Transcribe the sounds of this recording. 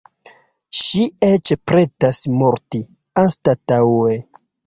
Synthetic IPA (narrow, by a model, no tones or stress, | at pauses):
ʃiet͡ʃpɾetasmoɾti | anstatawe